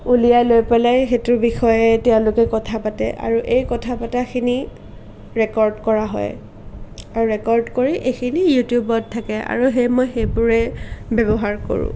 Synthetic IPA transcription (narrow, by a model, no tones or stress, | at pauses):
ulijajlojpelajxetʊɹbixɔjɛtɛʊ̃lʊkɛkɔtʰapatɛ̰ʔa̰ɹuʔejkɔtʰapataxʰini | ɹɛkɔɹdkɔɹaɦɔ̰j | aɹuɹɛkɔɹdkoɹiʔekʰinijutjubɔdtʰːakɛʔa̰ɹuɦejmɔjxejbʊɹɛbɛbɔɦaɹko̰ɹṵ̃